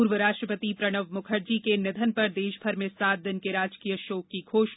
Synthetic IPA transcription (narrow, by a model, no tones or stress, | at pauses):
uːɾʋəɾaːʃʈɾəpət̪ipɾɐɽ̃əʋmʊkʰəɾd͡ʒikenɪd̪ʱənpɐɾd̪eːʃbʱɐɾmẽsaːd̪ənkeɾaːd͡ʒkijəʃoːkːiɡʰʱoːʃ